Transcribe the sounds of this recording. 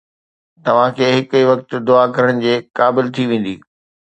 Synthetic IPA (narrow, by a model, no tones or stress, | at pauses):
t̪ɐʋ̤ãkʰeːɦɪkiʋɐk̚t̪ʊ̆d̪ʊakɐɾəɽ̃ɪ̆d͡ʑeːkaːbɪlt̪ʰiʋẽːn̆d̪iː